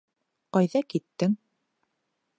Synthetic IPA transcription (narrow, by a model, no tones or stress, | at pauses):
qɑjðɑkit̪ːɘŋ